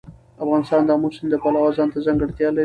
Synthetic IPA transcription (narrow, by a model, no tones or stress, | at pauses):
afɣɑnɪst̪ɑnd̪ɑmosɪmd̪əpalawɑzɑnt̪azaŋɡəɽt̪jɑla